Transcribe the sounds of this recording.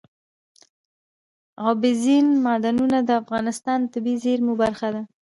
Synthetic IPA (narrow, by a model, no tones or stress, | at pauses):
ɣɑbɪzinmɑd̪anunad̪əafɣɑnɪst̪ɑnt̪ɪbizeɾmubaɾxad̪a